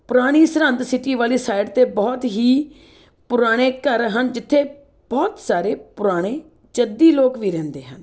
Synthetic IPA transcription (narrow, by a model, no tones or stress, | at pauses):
pʊɾaːɽ̃iːsəɾənt̪sɪʈiːʋaːliːsaːɪɖt̪eːbɔːt̪ɦiː | pʊɾaːɽ̃eːkəɾɦənd͡ʒɪt̪ʰːeː | b̥ɔːt̪saːɾeːpʊɾaːɽ̃eː | t͡ʃəd̪iːloːkʋiːɾɛ̃ːnd̪eːɦən